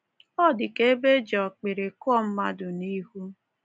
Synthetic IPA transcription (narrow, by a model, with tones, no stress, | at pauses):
ɔ˦˨dɪ˨ke˦e˦be˦d͡ʒɔ˨k͡pɪ˨ɾe˨kʊ˦ɔ˦˨m̩˦ma˦dʊ˨ni˦ɦu˦